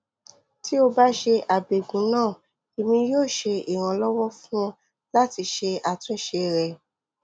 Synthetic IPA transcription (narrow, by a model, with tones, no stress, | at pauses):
ti˦o˧ba˦ʃe˧ʔa˨be˨ɡũ˨˦nãː˦˨ | e˨mĩ˧joː˦˨ʃe˧i˨ɾ̃ã˨lɔ˦wɔ˦fũ˦ | la˦ti˧ʃe˧a˨tũ˦ʃe˧ɾɛ˨